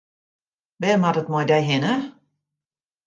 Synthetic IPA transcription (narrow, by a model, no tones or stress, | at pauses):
ʋɛːmatətmɔjdɛjɦɪnə